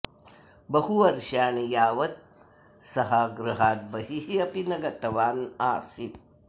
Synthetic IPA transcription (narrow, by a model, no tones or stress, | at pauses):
bɐɦuɐɾʃaːɳijaːʋɐt̪̚ | sɐɦaːɡɾɨɦaːt̪̚bɐɦiɦiɐpinɐɡɐt̪ɐʋaːnaːsit̪̚